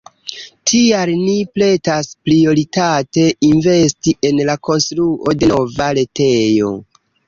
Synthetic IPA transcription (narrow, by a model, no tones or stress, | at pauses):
tʰialniple̞taspɾio̞ɾitate̞ʔinve̞stiʔe̞nlako̞nstɾuo̞de̞no̞vaɾe̞te̞jo̞̰